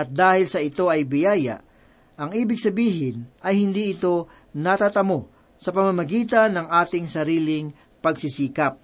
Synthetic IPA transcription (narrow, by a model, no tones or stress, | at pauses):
ʔɐt̪̚d̪aːhɪlsɐɪt̪o̞ʔɐjbɪjaːjɐ̰ʔ | ʔɐŋʔiːbɪɡsɐbiːɦɪnʔɐjhɪnd̪iːʔɪt̪o̞ | nɐt̪at̪ɐmo̞ | sɐpɐmamɐɡiːt̪ɐnːɐŋʔaːt̪ɪŋsɐɾiːlɪŋ | pɐɡsɪsiːkɐp̚